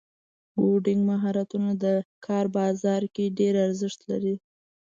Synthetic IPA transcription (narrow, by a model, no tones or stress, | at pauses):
boɖɪŋɡmaɦɑɾat̪unad̪əkʰɑɾbɑzɑɾkeɖeɾaɾzɪʃt̪la̰ɾi